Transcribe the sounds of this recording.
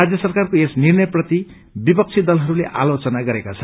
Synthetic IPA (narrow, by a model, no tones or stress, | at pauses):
ad͡zjʌsʌrkarkoesnirnʌjprʌt̪i | bipʌk̚t͡sʰid̪ʌlɦʌɾuleʔa̰lot͡sʌnaɡʌɾekat͡sʰʌ